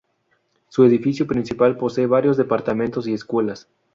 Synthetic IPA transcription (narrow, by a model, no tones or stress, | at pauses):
sueðifisjopɾinsipalpo̞seːβaɾjo̞zðepaɾt̪amẽnt̪os̬ieskwe̞las